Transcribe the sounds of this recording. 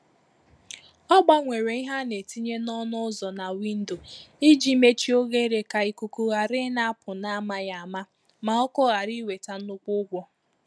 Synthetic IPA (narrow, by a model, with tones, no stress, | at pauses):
ɔ˦ɡ͡ba˦ŋʷe˨ɾe˨i˦ɦa˦ne˨ti˦ɲe˦nɔ˦nʊ˦zɔ˨na˨wi˦n̩˦do˨i˦d͡ʒi˦me˦t͡ʃi˦o˦ɣe˦ɾe˨ka˨i˨ku˨ku˦ɣa˨ɾɪ˦na˦a˦pʊ˨na˦ma˦ja˨a˨ma˦ | ma˨ɔ˦kɔ˦ɣa˨ɾi˦we˨ta˨n̩˦ʊ˦kʷʊ˦ɡʷɔ˦